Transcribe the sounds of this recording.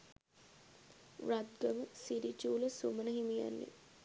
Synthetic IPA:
ʋɾad̪ɡəməsiɾit͡ʃuːləsumənəɦimija̰nːḛ

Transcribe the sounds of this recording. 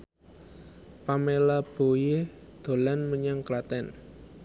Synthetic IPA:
pamelab̥o̤jed̪̥o̤lanməɲaŋklat̪ɛn

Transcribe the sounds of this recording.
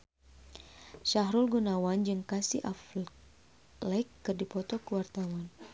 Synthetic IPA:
ʃaɦɾulɡunawand͡ʒɨŋkasḭʔaf | lɛjkːɨrdipɔt̪ɔkəwart̪awan

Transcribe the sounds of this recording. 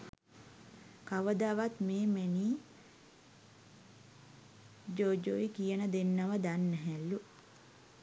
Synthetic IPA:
kaʋəd̪aːʋat̪meːmeniː | d͡ʒoːd͡ʒoikijənəd̪enːaʋəd̪anːɛɦɛlːu

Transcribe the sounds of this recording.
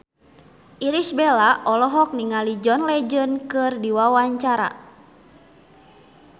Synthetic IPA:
ʔiɾisbɛlaʔɔlɔɦɔk̚niŋalid͡ʒɔnlɛd͡ʒənkɨrdiwawaɲt͡ʃaɾa̰

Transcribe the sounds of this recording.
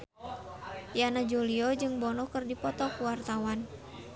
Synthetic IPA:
janad͡ʒuliɔd͡ʒɨŋbɔnɔkɨrdipɔt̪ɔkuwart̪awan

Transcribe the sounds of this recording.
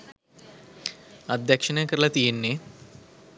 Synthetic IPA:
ad̪ːækʂənəjəkəɾəlɐt̪ijenːe

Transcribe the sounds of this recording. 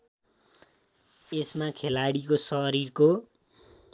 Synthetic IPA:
esmakʰelaɽikosʌɾirko

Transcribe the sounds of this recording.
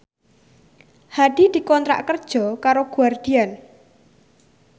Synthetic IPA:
had̪̥i̤d̪̥i̤kɔnt̪ɾa̰ʔkərd̥ʒ̥ɔ̤kaɾoɡ̥ṳard̪̥ian

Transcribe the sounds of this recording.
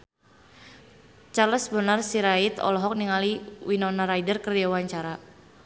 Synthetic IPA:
t͡ʃaləsbənarsiɾait̪ɔ̰lɔɦɔk̚niŋaliwinɔnaɾajdərkərjawaɲt͡ʃaɾa

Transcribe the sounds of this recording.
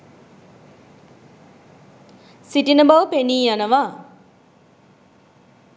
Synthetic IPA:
siʈinəbaʋəpeniːjanəʋa

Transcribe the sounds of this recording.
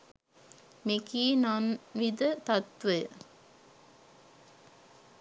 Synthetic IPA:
mekiːnanʋid̪ət̪at̪ʋəjə̰

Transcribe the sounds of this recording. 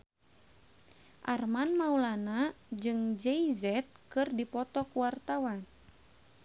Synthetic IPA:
ʔarmanmaulanad͡ʒɨŋd͡ʒɛizɛt̪̚kɨrdipɔt̪ɔkuwart̪awan

